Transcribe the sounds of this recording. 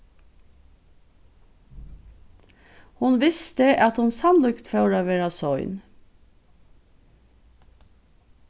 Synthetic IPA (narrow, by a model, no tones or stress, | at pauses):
hʊnʋɪst̪əʔɑt̪hʊnsɑnlʉkt̪fɑʉɾɑʋeːɹɑsɔʏn